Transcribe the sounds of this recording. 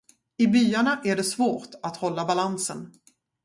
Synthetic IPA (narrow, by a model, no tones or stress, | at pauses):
ɪbyːaɳaʔæɖɛsvoːʈat̪hɔlːabalansə̰n